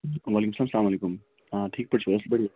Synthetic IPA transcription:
ʋaːlikumsəlaːmslaːmɐleːkum | aʈʰiːk̚pɐʈt͡ʃʋɐɾɐsbɐɽi

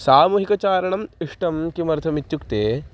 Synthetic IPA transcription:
saːmuːɦikɐt͡ʃaːɾɐɳɐmiʂʈɐmkimɐɾt̪ʰɐmit̪jukt̪eː

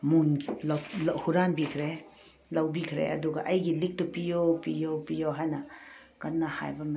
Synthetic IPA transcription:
munɡlhuɾambikʰɾe | lɐwbikʰɾḛʔɐ̰duɡɐ̰ʔɐjɡilik̚tupijopijopijoɦajnɐ | kɐnːɐha̰jbɐm

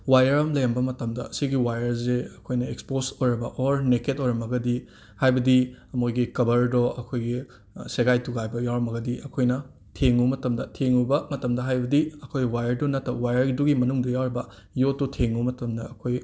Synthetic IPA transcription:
wajɐɾɐmlɐjɐmbɐmɐtɐmdɐ̰siɡiwajɐɾzeɐkʰojnɐeksposojɾɐbɐʔoɾneketojɾɐmɐɡɐdi | hajbɐdiɐmojɡikɐbɐɾdoʔɐkʰojɡi | seɡajtuɡajbɐjawɾɐmɐɡɐdiɐkʰojnɐ | tʰeŋumɐtɐmdɐtʰeŋubɐmɐtɐmdɐɦajbɐdiɐkʰojwajɐɾdunɐtːɐwajɐɾduɡimɐnuŋdɐjawɾɐbɐ | jotːutʰeŋumɐtɐmdɐɐkʰoj

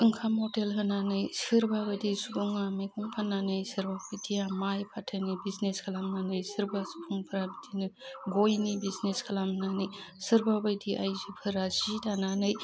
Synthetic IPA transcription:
ɯŋkʰamɔtelɦɯnanɯjsɯɾbabajdisubuŋamekʰuŋpʰananɯjsɯɾbapʰɯjdijamajpʰatʰənibizneskʰalamnanɯjsɯɾbasu̥pʰuŋpʰɯɾabidʰinɯɡojnibizneskʰɐlamnanɯjsɯɾbabɯjdiʔa̰jzipʰɯɾasidananɯj

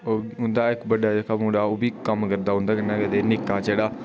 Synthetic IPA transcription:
oːʊnd̪aːɪkbəɖːaːd͡ʒekʰaːmũːɽaːoːbiːkəmkəɾd̪aːɦʊ̃nd̪aːkənːaːkɛd̪eːnɪkːaːt͡ʃeːɽaː

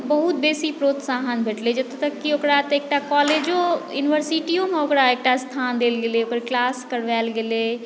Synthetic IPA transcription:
bəɦut̪̚beːsipɾoːt̪saɦənbʱeʈled͡ʒɐt̪t̪əkːiokɾat̪eːk̚ʈakɔːleːd͡ʒojuːnɪʋəɾsiʈijõmeokɽaek̚ʈast̪ʰaːnd̪eːlɡeleokəɾklaːskəɾʋɛːlɡele

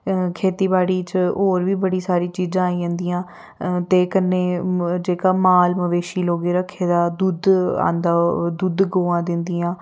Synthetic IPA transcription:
kʰeːt̪iːbaːɽiːt͡ʃɦoːɾʋiːbəɽiːsaːɾiːt͡ʃiːd͡ʒãːaːiə̃ːnd̪iːãː | t̪eːkənːeːd͡ʒeːkaːmaːlməʋeːʃiːloːɡeːɾəkʰːeːd̪aːd̪ud̪ã̰ːnd̪aːd̪ud̪ɡoːãːd̪ɪnd̪iːãː

